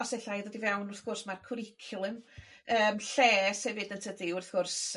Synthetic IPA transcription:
ɔsɛɬajðɔdivɛwnʊrθɡ̥ʊrsmarkʰʊɾɪkʰʊlˠɨm | əːmɬɛːsɛvɪdəntʰədiʊrθɡ̥ʊrs

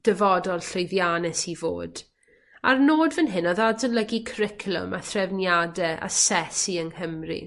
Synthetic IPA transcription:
d̥əvɔdɔlˠɬojðjanɛsivo̰ːd̥ | a̰rnoːdvənɦɪnɔðadzənləɡikʰrɪkʰlˠʊ̰maθrɛvnjadɛʔa̰sɛsiəŋhəmrḭ

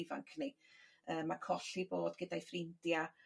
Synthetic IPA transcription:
va̰ŋkʰniəːmakʰɔɬiboːdɡədajfrɪndja

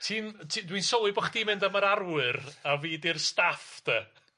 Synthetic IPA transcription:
tʰiːntʰidwinsɔlˠɨbɔχd̥iːmɪndaməɾarwɨraviːdirstafd̥ɛ

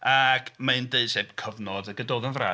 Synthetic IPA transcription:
aɡmandeɨ̥seb̥kʰəvnɔdəɡədoːðənvra̰

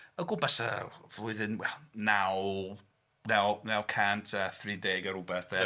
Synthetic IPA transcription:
əɡʊbasə̰v̥ʊɨðɨnwɛlˠnaw | nɛwnɛwkʰantʰəθrideːɡəɾʊbɛθðɛ

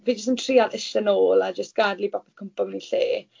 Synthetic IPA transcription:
viːd͡ʒəstəntʰriaðɪʃənoːlˠad͡ʒəstɡ̥adlibapʰɔ̥kʰəmpɔmniɬeː

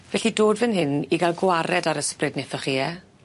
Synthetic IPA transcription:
vɛɬidoːdvɛnhɪniɡalˠɡwaɾɛdaɾəsprɨdnɪfəχiːɛ

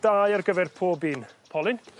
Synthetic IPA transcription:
d̥aːjarɡəvɛrpʰoːbiːnpʰɔlˠɪn

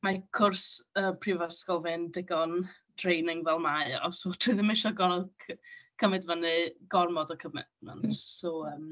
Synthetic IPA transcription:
makʰʊrsəːmpʰrivaskɔlˠvɨndɪɡɔn | d̥rejnɪŋvɛlˠmaɨɔ̰sɔtʰuðɪmɪʃɔɡɔnɔkʰəmɛdvənɨɡ̥ɔrmɔdɔkʰəmɛ̰dmə̰ntsɔəːm

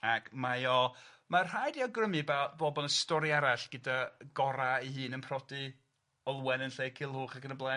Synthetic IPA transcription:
akʰmajɔ | marr̥ajdiɔɡrəmibabɔbɔnəstɔɾiaɾaɬɡ̥ədaɡɔɾaihɨːnənpʰrɔdɨ | ɔlˠwɛnənɬeːjkʰɪlˠhuːχaɡənəblˠa

